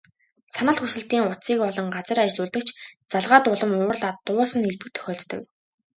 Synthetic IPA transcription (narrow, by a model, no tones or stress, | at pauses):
sanə̆ɮxusɘ̆ɮt̪iːŋʊt͡siːkɔɮɞ̆ŋɢat͡sə̆ɾat͡ɕɮʊːɮt̪ə̆k̚t͡ɕʰt͡saɮʁaːt̪ʊɮə̆mʊːrɮaːt̪ːʊːsə̆neɮpɘ̆k̚t̪ʰœ̥xʲɔːɮt̪t̪ɵ̆k